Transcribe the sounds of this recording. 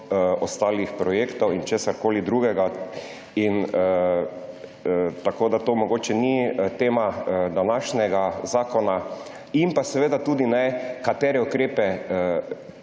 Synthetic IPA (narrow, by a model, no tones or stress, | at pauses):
ɔst̪aːlixpɾɔjeːkt̪ɔwint͡ʃeːsaɾkoːlid̪ɾuːɡɛɡa | inə | t̪akoːd̪at̪oːmɔɡoːt͡ʃɛnit̪eːmad̪anaʃnɛɡazaːkɔna | impasɛʋeːd̪at̪uːd̪inɛkat̪ɛːɾɛukɾeːpɛ